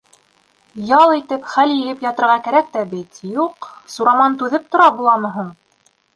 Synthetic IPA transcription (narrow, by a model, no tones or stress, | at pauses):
jɑlˠit̪ɘpχæljɘ̆lɘpjɑt̪ɤ̆ɾʁɑkæɾæk̚t̪æbɘt̪juqsuɾɑmɑnt̪ʉðɘp̚t̪ŏɾɑbulˠɑmɤ̆ɦuɴ